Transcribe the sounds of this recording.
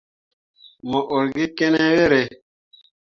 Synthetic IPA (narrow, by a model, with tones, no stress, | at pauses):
mɔ˨ʔo˨ɾɡi˦ke˦ne˦we˦ɾe˨